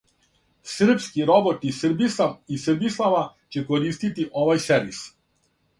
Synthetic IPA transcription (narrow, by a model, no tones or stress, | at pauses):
sr̩pskiɾɔbɔt̪isrbisavisrbislˠaʋat͡ɕɛkɔɾist̪it̪iʔɔvajsɛɾʋis